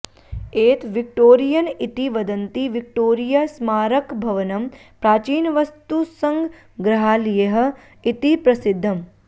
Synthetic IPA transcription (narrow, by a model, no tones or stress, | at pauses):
eːt̪ʋik̚ʈoːɾijɐnit̪iʋɐd̪ɐnt̪iʋik̚ʈoːɾijasmaːɾɐkbʱɐʋɐnɐm | pɾaːt͡ʃiːnʋɐst̪usɐŋɡ | ɡɾɐɦaːlijɐɦɐ̆ | it̪ipɾɐsɪd̪ʱːɐm